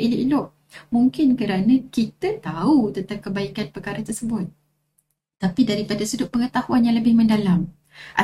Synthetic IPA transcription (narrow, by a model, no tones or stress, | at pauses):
ʔiliʔilɔʔ | muŋkɪnkəɾanãkit̪ət̪aut̪ənt̪aŋkəbaikanpərkaɾat̪ərsəbʊt̪̚ː | apidaɾipadasədʊʔ̚pːəŋət̪ahuanjãŋləbɪhmə̃ndalam | ʔa̰